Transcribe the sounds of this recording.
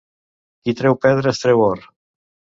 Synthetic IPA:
kit̪ɾɛwpɛðɾest̪ɾewoɾ

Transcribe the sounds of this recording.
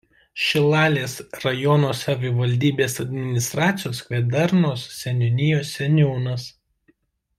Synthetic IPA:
ʃʲɪlˠɑːlʲeːsɾɐjɔnoːsɐʋʲɪʋɐlʲd̪ʲiːbʲeːsɐd̪ʲmʲɪnʲɪst̪ɾɑːt̪sʲɪjoːskʋʲɛd̪ɐɾnoːssʲɛnʲɔnʲɪjoːsːʲɛnʲuːnɐs

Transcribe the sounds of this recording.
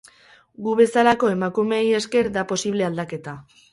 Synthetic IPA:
ɡuβe̞salako̞e̞makume̞je̞ske̞ɾðapo̞siβ̞le̞ald̪ake̞t̪a

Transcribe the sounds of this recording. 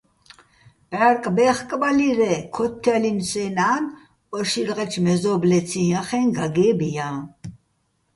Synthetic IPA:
pʼaɾkʼbɛːχkʼbaliɾɛkʰɔt̪ʰːalinsɛːnaːnʼ | ɔʃiɾʁɛt͡ʃʰmɛzɔblɛt͡sʰijaχɛnɡaɡɛːbija

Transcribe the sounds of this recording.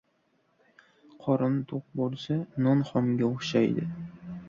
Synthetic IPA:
qʰɒɾɨnt̪ʰoq̚bolˠsanɒnχɒmɡʲaoχʃajd̪ɪ̰

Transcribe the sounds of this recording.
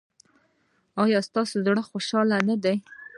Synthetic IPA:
ɑjɑst̪ɑsozɽəxoʃɑlanad̪aj

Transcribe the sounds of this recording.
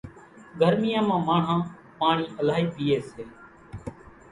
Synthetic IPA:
ɡʱəɾmɪjãːmãːmaːɳ̤ãː | paːɳiːʔəlaːɦiːpiːeːseː

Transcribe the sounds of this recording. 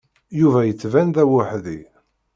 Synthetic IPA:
juvæjət͡sːvænðæwaħði

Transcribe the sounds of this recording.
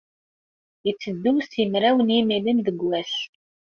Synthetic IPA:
it͡sːəd̪ːuwsjəmɾæwənjimilimðəɡːæs

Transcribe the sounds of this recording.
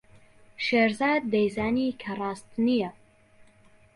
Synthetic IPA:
ʃeːɾzaːd̪̚ːejzaːniːkʰɐrˤɑːst̪nijɛ

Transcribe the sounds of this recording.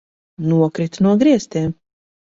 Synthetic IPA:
nuɔkɾit̪nuɔɡɾiɛst̪ʲeːm

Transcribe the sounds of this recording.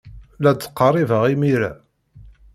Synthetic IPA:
læt͡sːə̥qːərˤivəʁimiɾæ̰

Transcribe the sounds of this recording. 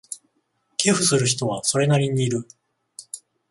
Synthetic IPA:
ke̞ɸɯ̟sɨɾɯ̟ç̬i̥t̪o̞βaso̞ɾe̞naɾʲiɲ̟iːɾɯ̟

